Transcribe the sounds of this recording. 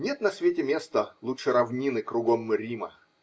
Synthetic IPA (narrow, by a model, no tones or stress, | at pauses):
nʲe̞t̪nɐsvʲetʲɪmʲe̞st̪əlˠuʂɨɾɐvnʲinɨkɾʊɡomɾʲimə